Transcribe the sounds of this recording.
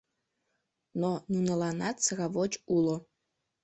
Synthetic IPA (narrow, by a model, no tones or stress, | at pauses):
nonunəlɑnɑt̪səɣɑβot͡ɕulo